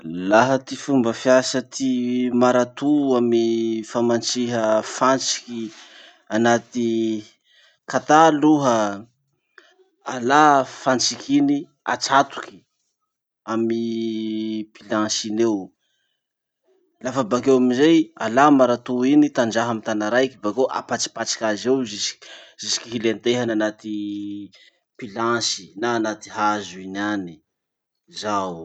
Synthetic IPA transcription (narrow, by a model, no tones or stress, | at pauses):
laɦət̪ifumbəfiasət̪ʰimaɾat̪uamifamant͡siɦəfant͡si̥ki | anat̪i | kat̪aluɦə | alafant͡sikʰini | a̰t͡sat̪u̥ki̥ | ami | pilãʃinew | lafabakewamizejalamaɾat̪uinit̪and͡ʒaɦamit̪anaɾajkibakewʔa̰pat͡ʃi̥pat͡ʃḁkʲazewzisi̥k | z̥isi̥kiɦilent̪eɦananat̪i | pilasi̥naːnat̪i̥ɦazuinani | zawu